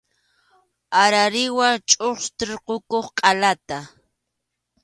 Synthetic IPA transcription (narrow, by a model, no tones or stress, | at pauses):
aɾaɾɪwat͡ʃʼoχst̪ɪɾqokoχqʼalat̪a